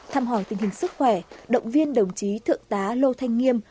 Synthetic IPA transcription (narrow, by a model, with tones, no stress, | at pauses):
t̪ʰaː˧mɦɔ˧˩jt̪ï˨˩ŋhï˨˩ŋ̟sɨ˦˥k̚xwɛ˧˩ɗə̰˧˨wŋ͡mvi˧ənɗə˨˩wŋ͡mt͡ɕi˨˦t̪ʰɨ̰˧˨əŋt̪aː˨˦lo˧t̪ʰa˧jŋ̟ŋi˧əm